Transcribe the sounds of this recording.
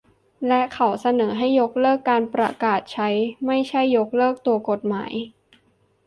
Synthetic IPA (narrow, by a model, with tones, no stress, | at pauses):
lɛ˦˥ʔkʰa˨˩wsa˧nɤː˩˦ɦa˥˩jːo˦˥k̚lɤː˥˩kːaː˧npɾa̰˧kaː˨˩t̪̚t͡ɕʰa˦˥jma˥˩jt͡ɕʰa˥˩jːo˦˥k̚lɤː˥˩k̚t̪u˧ɐko˨˩t̪̚ma̰ː˩˦j